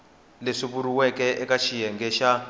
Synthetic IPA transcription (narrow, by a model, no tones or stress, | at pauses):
leʂiβuɾuwɛkʼɛʔɛkat͡ʃʰijɛŋɡɛʃa